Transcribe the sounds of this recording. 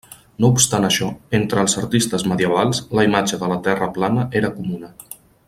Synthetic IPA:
noupst̪anəʃɔent̪ɾəːlˠzəɾt̪ist̪əzməðiəβ̞alˠsləimad͡ʒəðələt̪ɛrəplanəʔeɾəkumunə

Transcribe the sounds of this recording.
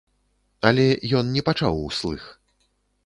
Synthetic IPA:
ɐlʲɛjɔnnʲɛpat͡ʂa̰wuslˠɨx

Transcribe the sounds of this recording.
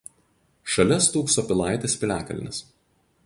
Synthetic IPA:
ʃɐlʲɛst̪uːksoːpʲɪlˠɑˑɪt̪ʲesʲpʲɪlʲæːkɐlʲɪ̰nʲɪ̰s

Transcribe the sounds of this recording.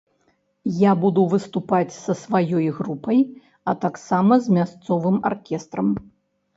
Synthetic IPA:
jabud̪uvɨst̪upat͡sʲsɐsvajɔjɣɾupɐj | ɐt̪aksamɐzmʲast̪sɔvɨma̰rkʲɛst̪ɾɐm

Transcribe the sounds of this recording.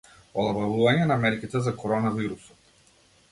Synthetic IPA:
ɔlˠabalˠuvaɲɛnamɛɾkʲit̪ɛzakɔɾɔnaviɾusɔt̪

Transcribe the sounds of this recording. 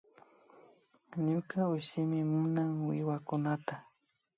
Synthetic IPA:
ɲʊkaʊʃɪmɪmʊnaŋwɪwakʊnat̪a

